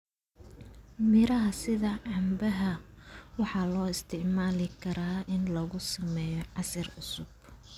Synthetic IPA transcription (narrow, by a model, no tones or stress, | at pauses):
mɪɾɐɦɐsɪðɐʕɑmbɐɦɐwɑħɑːlɔːɪst̪ʰɪʕmaːlɪkʰɐɾaːɪnlɐɣʊsɐmɛːjɔʕɑsɐrʊsʊb̚